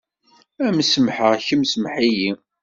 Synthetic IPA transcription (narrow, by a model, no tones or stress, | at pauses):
æmsəmħəʁçəmsəmħiji